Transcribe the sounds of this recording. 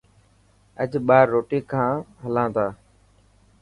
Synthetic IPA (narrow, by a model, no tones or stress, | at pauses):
əd͡ʒɓaːɾːoːʈiːkʰãːɦəlãːt̪aː